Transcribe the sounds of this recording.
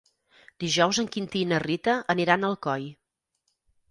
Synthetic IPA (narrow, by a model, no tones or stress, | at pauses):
d̪iʒɔwzəŋkint̪inərit̪əʔəniɾanəlˠkɔj